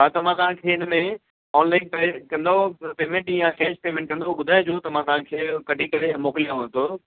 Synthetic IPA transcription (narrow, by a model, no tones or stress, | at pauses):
at̪ɐmãt̪ɐʋ̤ãkʰeːɪnəmẽ | ɔːnlaːɪnpɛkɐ̃nd̪apeːmẽɳʈjãkɛːʃpeːmẽɳʈ̚kɐ̃nd̪oɓʊd̪ʱaːɪd͡ʑoːt̪ɐm̤ãt̪ɐʋ̤ãkʰeːkɐɖʱikɐɾẽmoːkɪlijãʋɐnt̪ʰoː